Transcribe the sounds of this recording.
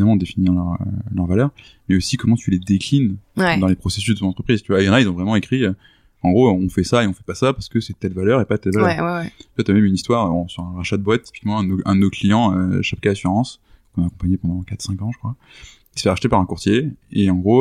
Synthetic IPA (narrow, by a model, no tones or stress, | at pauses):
namɑ̃d̪efiniʁlœʁø̰lœʁvalœʁ | mɛosikɔmɑ̃t̪ʰyled̪eklind̪ɑ̃lepχɔses̬yzd̪ət̪ɔ̃nɑ̃t̪χəpχizt̪yvwaejɑ̃nailzɔ̃vʁɛmɑ̃ekχiø | ɑ̃ɡʁoɔ̃fɛsaeɔ̃fɛpasapaʁsə̥kəsɛt̪ɛlvalœʁepad̪ət̪ɛlvalœwat̪ɥamɛmynist̪waʁɔ̃syʁɛ̃ʁaʃad̪əbwat̪ːi̥pi̥kmɑ̃ɛ̃d̪noɛ̃d̪noklijɑ̃ø̰ʃapkaasyʁɑ̃skɔ̃nakɔ̃paɲepɑ̃d̪ɑ̃kat̪χsɛ̃kɑ̃ʒəkχwa | i̥sə̥fɛaʃt̪epaʁɛ̃kuʁt̪ʰjeeɑ̃ɡʁo